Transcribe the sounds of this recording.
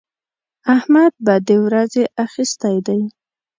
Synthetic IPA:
ahmad̪̚bad̪əwɾazeʔaxist̪ajd̪aj

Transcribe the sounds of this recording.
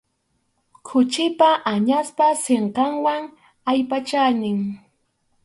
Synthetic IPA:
kʰʊt͡ʃɪpaʔaɲaspaseɴqɑŋwaŋ | ajpat͡ʃanɪŋ

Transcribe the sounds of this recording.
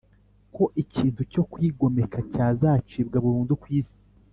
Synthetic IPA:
ko̞ʔiciːntuco̞kwiːɡo̞me̞kacaːzaːt͡ʃib̚ɡaβuɾuːndukwiːsi̥

